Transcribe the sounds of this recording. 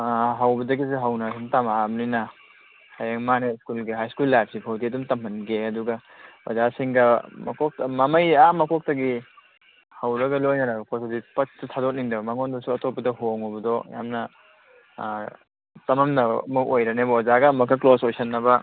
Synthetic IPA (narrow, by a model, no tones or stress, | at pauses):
ɦawbɐdɐɡiseɦɐwnɐsʰintamamninɐ | hajaŋmaneskulɡiɦajskulːajp̚sipʰowdiɐdumtɐmɐnɡeɐduɡɐ | wa̰zasiŋɡɐmɐ̰kɔk̚tmɐmɐjamɐkɔk̚tɐɡi | hɐwɾɐɡɐlojnɐɾɐɡɐkosodipɐt̚sitʰadɔt̚niŋdɐbɐmɐŋɔndɔsuɐtɔpːɐdɐɦoŋɔbɐdɔja̰mnɐ | tɐmɐmnɐbɐmɐk̚ojɾɐnebɐɔzaɡɐmɐkʰːɐklosojsɐnːɐbɐ